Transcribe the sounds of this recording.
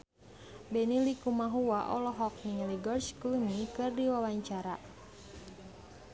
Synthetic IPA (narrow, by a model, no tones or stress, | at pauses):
bɛnilikumaɦuwaʔɔlɔɦɔk̚niŋliɡɔrskunikɨrdiwawaɲt͡ʃaɾa